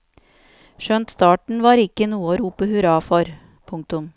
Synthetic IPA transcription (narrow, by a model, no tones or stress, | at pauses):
ʃœnt̪st̪ɑːʈɳ̩ʋɑːɾɪkənuːəɾuːpəhʉɾɑːfɔɾ | pʰʊŋk̚t̪ʊm